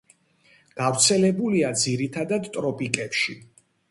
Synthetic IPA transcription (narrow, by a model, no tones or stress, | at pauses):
ɡ̥avɾt̪sʰɛlɛbuliad̪ziɾit̪ʰad̪ad̪t̪ʼɾɔpʼikʼɛpʃi